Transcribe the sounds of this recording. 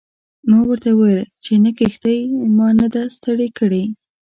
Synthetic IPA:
mɑɡwəɾt̪awəjəlt͡ʃenakixd̪əjmɑnad̪ast̪əɽekəɽe

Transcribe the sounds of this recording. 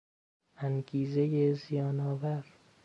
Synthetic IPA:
ʔænɡiːze̞jezijɒːnɒːvæɾ

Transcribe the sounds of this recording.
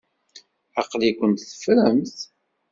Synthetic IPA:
ɑqlikʷənt̪θə̥fɾəmθ

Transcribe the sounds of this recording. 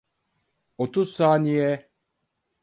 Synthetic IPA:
ot̪ʰuzsaːnijɛ

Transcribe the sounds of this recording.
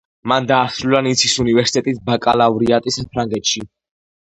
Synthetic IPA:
mand̪aːsɾulanit̪sʰisunivɛɾsi̥t̪ʼɛt̪ʼisbakʼalavɾiat̪ʼisapʰɾaŋɡɛt̪ʃi

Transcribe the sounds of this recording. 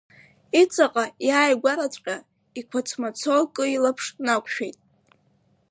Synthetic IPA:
it͡sʼaqʼajaːjɡʷaɾat͡sʷʼqʲʼa | ikʷʰat͡sʰmat͡sʰokʼɨilapʰʂnakʷʰʼʃᶣejtʼ

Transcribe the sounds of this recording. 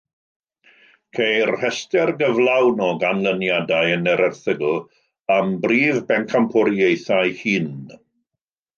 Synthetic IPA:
kʰejrhɛstɛrɡəvlˠawnɔɡanlˠənjadaɨənɛɾɛrθəɡl̩ˠ | ambriːvbɛnkʰampʰɔɾjejθajhiːn

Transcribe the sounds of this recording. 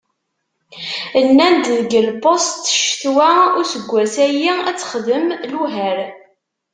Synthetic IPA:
ənːænd̪ðəɡəlpost̪ʃθwæʊɾsəɡʷːæsæjiæt͡sːə̥χðəmluɦæɾ

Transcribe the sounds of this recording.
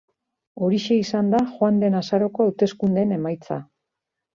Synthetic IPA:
o̞ɾiʃe̞isand̪axoand̪e̞nasaɾo̞ko̞awt̪e̞skund̪e̞ne̞majt͡sa̰

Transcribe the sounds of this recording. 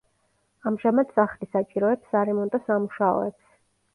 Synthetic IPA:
amʒamad̪saχlisat͡ʃʼiɾɔɛpsaɾɛmɔnt̪ʼɔsamuʃaɔ̰ɛ̰ps

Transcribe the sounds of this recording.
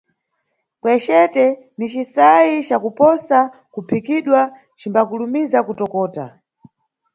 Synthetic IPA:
kwɛt͡ʃɛtɛ | nit͡ʃisajit͡ʃakupɔsa | kupʰikiɗwa | t͡ʃimbakulumizakutɔkɔːta̰

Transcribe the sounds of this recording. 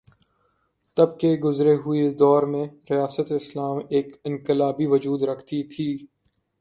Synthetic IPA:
t̪ɐb̚keɡʊzɾeɦʊid̪ɔːɾmẽɾɪjaːsət̪ɪslaːmeːkɪ̃nkɪlaːbiʋʊd͡ʒuːd̪ɾɐkʰt̪it̪ʰiː

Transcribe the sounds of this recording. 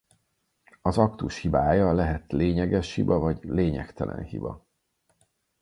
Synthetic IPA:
ɒzɒkt̪uʃhibaːjɒlɛɦɛt̪leːɲɛɡɛʃhibɒvɒɟleːɲɛkt̪ɛlʔɛ̰nhḭbɒ̰

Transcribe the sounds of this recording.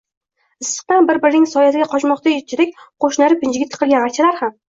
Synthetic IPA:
ɪsːɨ̥q̚t̪anbɪɾbɪɾɪnɪŋsɒjat̪ɪɡʲaqʰɒt͡ʃmɒqt̪ʰajet͡ʃʰɪd̪ekʲqʰoʃnaɾɪpʰɪnd͡ʒɪɡʲɪat̪ʰʲɪ̥qʰɨlˠɡʲanakʲt͡ʃʰalaɾham

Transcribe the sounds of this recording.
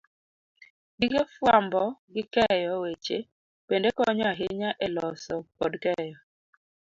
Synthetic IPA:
dikefwambɔɡɪkɛjɔwet͡ʃe | pendekɔɲɔaɦɪɲaʔelɔsɔkɔdkɛjɔ

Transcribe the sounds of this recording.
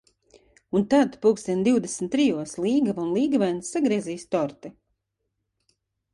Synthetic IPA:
unt̪ad̪puːksʲiɛnd̪iwd̪esm̩t̪ːɾijuɔsliːɡavanlˠiːɡavɛnsːaɡɾiɛziːst̪ɔɾt̪i

